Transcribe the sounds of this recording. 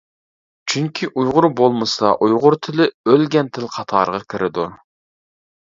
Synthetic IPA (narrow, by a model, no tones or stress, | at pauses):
t͡ʃʰyŋkʲʰiʔujʁʊɾbolˠmɨsɑʔujʁʊɾt̪ʰɪlɪølɡʲɛnt̪ʰɪlqʰɑt̪ʰɑːɾʁɑkʲʰɪɾɪd̪u